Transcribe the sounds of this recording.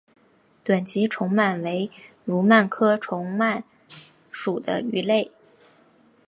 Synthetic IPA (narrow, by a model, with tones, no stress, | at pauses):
t̪wa˨˩nt͡ɕi˧˥ʈ͡ʂʰʊ˧˥ŋma˨˩nwe˧˥ɪ | lu˧˥ma˥˩nkʰɤ˥ʈ͡ʂʰʊ˧˥ŋma˥˩n | ʂu˨˩d̪ə̰˦y˧˥le˥˩ɪ